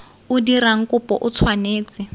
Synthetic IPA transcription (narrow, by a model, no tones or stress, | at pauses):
udiɾaŋ̩kupɔʔut͡sʰwaneːt͡sɪ